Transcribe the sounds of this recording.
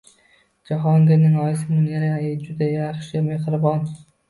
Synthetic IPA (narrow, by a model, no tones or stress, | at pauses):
d͡ʒaɦɒŋɡʲanɪŋɒjsɪmʊnaɾajɪd͡ʒʊd̪ajaχʃɪme̞hɾɪbɒn